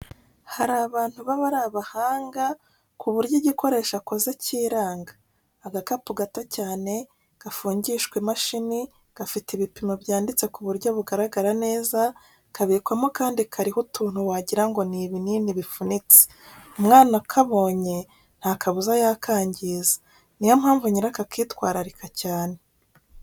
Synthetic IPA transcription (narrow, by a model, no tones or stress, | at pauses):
haɾaːβaːn̥huβaβaɾaβahaːŋɡa | kuβuɾɟoɟiko̞ɾe̞ːʃakozaciːɾaːŋɡḁː | ɡakapuɡatacaːne̞ | ɡ̥afuːɲɟiːʃkwemaʃini | ɡ̥afitiβipimaβjaːndit͡se̞kuβuɾɟoβuɡaɾaɡaɾane̞ːza | kʰaβiːkwamokaːndikʰaɾihutuːn̥huwaɟiɾaŋɡo̞niːβininiβifunit͡se̥ | umŋaːnakʰaβo̞ːɲe̞ | n̥haːkʰaβuzajakʰaːɲɟizḁ | nijomhaːɱvuɲiɾakakiːtkwaːɾaɾikacaːne̞